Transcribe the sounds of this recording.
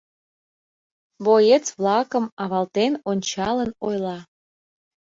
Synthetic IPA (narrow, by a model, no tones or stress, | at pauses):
βojet͡sβlɑkəmɑβɑlt̪enonʲt͡ɕɑlənojlɑ